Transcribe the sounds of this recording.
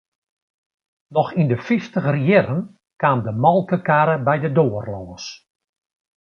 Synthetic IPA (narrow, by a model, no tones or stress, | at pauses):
nɔxindəfiftəxrjɪɾən | kaːmdəmɔlˠkəkaːɾəbɛjdədoːərlɔːs